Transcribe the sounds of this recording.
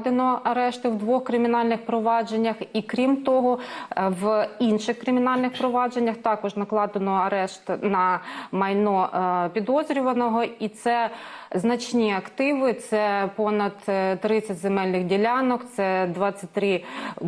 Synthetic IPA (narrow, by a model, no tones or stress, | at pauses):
d̪enɔɐɾɛʃt̪ɪwd̪ʋɔxkɾɪmʲinɑlʲnɪxpɾɔʋɑd͡ʒenʲːɐxikɾʲimt̪ɔɦɔʋinʃɪxkɾɪmʲinɑlʲnɪxpɾɔʋɑd͡ʒenʲːɐxt̪ɑkɔʒnɐklˠɑd̪enɔɐɾɛʃt̪nɐmɐjnɔpʲid̪ɔzɾʲʊʋɐnɔɦɔit̪sɛznɐt͡ʃnʲiɐkt̪ɪʋɪt̪sɛpɔnɐd̪t̪ːɾɪt͡sʲːɐtʲzemɛlʲnɪxdʲilʲɑnɔkt̪sɛd̪ʋɑt͡sʲːɐt̚ʲt̪ɾɪ